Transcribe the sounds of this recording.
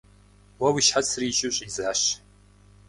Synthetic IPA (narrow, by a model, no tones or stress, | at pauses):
wɐwiʃħasʰriʒʊɕʼizaːɕ